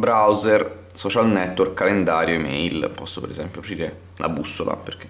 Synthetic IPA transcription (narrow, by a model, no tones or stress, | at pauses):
bɾawzɛr | sɔt͡ʃalnɛt̪ːworkːalend̪aːɾjoemɛ̰jlpɔsːopeɾezɛmpjoapɾiːɾe | lʔa̰busːola̰perk̟e